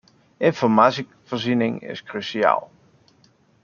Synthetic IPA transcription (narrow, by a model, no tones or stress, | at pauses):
ɪnfɔɹmaːsi | vəɹzinɪŋɪ̰skryʃia̰ːlˠ